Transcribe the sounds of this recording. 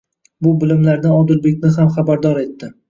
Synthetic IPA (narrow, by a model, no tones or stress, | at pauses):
bʊbɪlɪmlaɾnɪɒd̪ɪlbek̚ʲnɪɦamχabaɾd̪ɒɾe̞t̪ːɪ